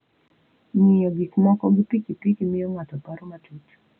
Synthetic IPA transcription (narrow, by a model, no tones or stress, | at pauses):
miɔɡikmakɔɡipikipikimijɔŋatɔpaɾɔmatutu̥